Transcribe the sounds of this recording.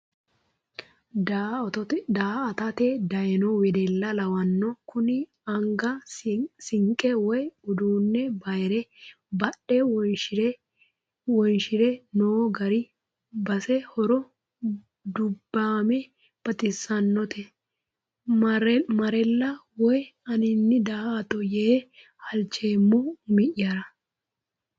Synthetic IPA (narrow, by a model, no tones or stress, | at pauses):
d̪aːɐt̪ɐt̪ed̪ɐjɛnɔwɛd̪ɛlːɐlɐwɐnːɔkʊnɪ | ɐŋɡɐsɪŋkʼɛwɔjʊd̪uːnːɛbɐjɾɛ | bɐɗɛwɔʃɪɾ | wɔjnʃɪɾɛnoːɡɐɾɪ | bɐsɛhɔɾɔ | d̪ʊbːaːmɛ | b̥ɐt̪ɪsːɐnːɔt̪ʰɛ | mɐɾɛlːɐwɔjɐnɪnːɪd̪ɐat̪ʼɔje | hɐlt͡ʃːeːmːɔmɪʔɪjaːɾɐ